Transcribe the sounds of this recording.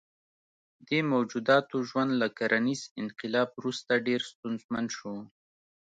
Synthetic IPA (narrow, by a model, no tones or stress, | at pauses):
d̪emawd͡ʒud̪ɑt̪oʒwand̪lakaɾʔanizɪnqɪlɑbɾust̪aɖeɾst̪unzmand̪ʃo